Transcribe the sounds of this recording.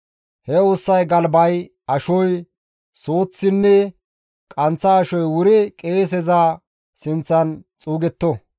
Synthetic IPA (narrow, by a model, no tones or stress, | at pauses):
hɛosːɐjɡɐlbɐj | ɐʃɔj | soːt͡sːɪnːɛ | kʼɐnt͡sːɐːʃɔjwʊɾɪkʼeːs̬ɛzaː | sɪnt͡sːɐnt͡sʼuːɡɛt̪ːɔ